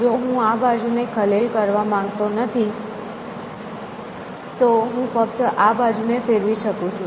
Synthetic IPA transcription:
d͡ʒoɦũabad͡ʒunekʰəlelkəɾʋamãŋɡt̪onət̪ʰi | t̪oɦũfək̚t̪ʔabad͡ʒunefeɾʋiʃəkũt͡ʃʰũ

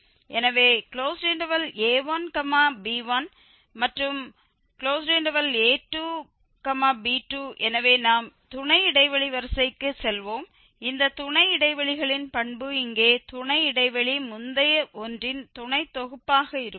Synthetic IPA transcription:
ʔɛnɐʋeːkɪɭoːsɾɪɳɖɐʋɐleːʋaːnkɐmaːbiːʋɐn | mɐʈrɯm | kɪɭoːs̬ɾiɳɖɐʋɐleːʈːuː | kɐmaːbiːʈːuːʔɛnɐʋeːnaːmt̪ʊɳɐɪɪɽɐɪʋɐɭiʋɐɾsɐɪkːɯsɛlʋoːm | ɪnd̪ɐt̪ʊɳɐɪɪɽɐɪʋɐɭɪɣɐɭɪnpɐɳbɯɪŋɡeːt̪ʊɳɐɪɪɽɐɪʋɐɭimʊnd̪ɐjɐʔɔndrɪnt̪ʊɳɐɪt̪ːɔɣɯpːaːɣɐɪɾɯ

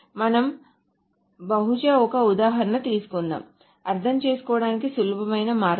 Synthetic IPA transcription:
mɐnɐm | bɐɦut͡ʃɐɔkɐud̪aːɦɐɾɐnɐt̪iːsu̥kunːa̰ːm | ɐɾt̪ʰɐmt͡ʃeːsu̥kɔːɐɽaːnikisulubʱɐmɐjnɐmaːɾ

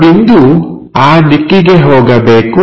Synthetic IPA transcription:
bind̪u | aːnikːiɡeɦɔːɡabɛːku

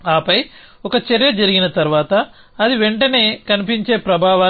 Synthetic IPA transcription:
aːpɐj | ɔkɐt͡ʃeɾjɐd͡ʒɐɾiɡinɐt̪ɐɾʋaːt̪ɐː | d̪iʋeɳʈɐne̞ːkɐnipiɲt͡ʃe̞ːpɾɐbʱaːʋaː

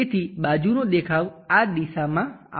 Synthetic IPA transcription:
et̪ʰiɓaːd͡ʒunõɗ̪ekʰaːʋaɗ̪isamãa̰

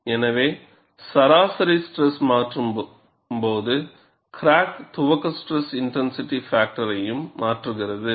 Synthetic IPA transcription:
ɛnɐʋeː | sɐɾaːsɐɾisʈɾɛsmaːʈrɯm | mpoːðɯ | kɾaːkt̪ʊʋɐkːɐsʈɾɛsɪɳʈɛnsɪʈːifaːk̚ʈɐɾɐjɯmːaːʈrɯɣɪrɐðɯ

